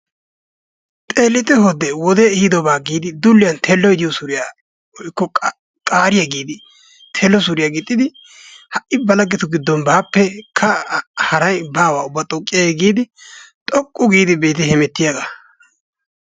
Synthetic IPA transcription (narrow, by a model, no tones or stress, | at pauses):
t̪ʼeːlːɪt̪ɛɦɔd̪ɛwɔd̪ɛhid̪ɔbaːɡiːd̪ɪd̪ʊlːɪjɐnt̪ʰeːlːɔjd̪ɪjɔsʊɾɪja | ɔjkːɔ | kʼaːɾɪjɐɡiːd̪ɪ | t̪ʰeːlːɔsʊɾɪjaːɡɪt̪ʼːɪd̪ɪ | hɐʔʔɪbɐlɐɡɛt̪ʊɡɪd̪ːɔnbaːpːɛkʰɐhɐɾɐjbaːwaːʊbːɐt̪ʼɔkʼːɪjaɡiːd̪ɪt̪ʼɔkʼːʊɡiːd̪ɪbe̞ːt̪̬ɪhɛmɛt̪ːɪjaɡa